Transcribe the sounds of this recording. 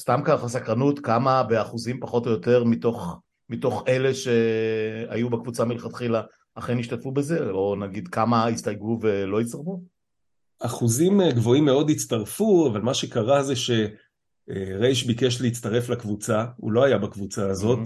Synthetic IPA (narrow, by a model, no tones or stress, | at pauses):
st̪amkalχasakʁanut̪kamabe̞aχuzimpaχo̞to̞jote̞ʁmito̞χ | mito̞χe̞le̞ʃe̞ | a̰jubekvut͡samilχat̪χilaː | χeniʃtatfubeze̞onaɡid̪kamaist̪ajɡuvelo̞isaʁfu | aχuzimɡvo̞imːeo̞d̪it͡st̪aʁfuavalmaʃekaʁazeʃe̞ | ʁejʃbikeʃleit͡st̪aʁe̞flakvut͡saṵlo̞ajabakvut͡saːzo̞t̪